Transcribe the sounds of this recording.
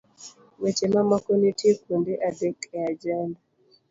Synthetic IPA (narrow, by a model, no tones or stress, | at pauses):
wet͡ʃemamakonitʰekondeʔadɛkɛad͡ʒanda